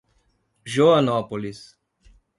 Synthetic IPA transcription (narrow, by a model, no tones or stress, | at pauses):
ʒoanɔpolis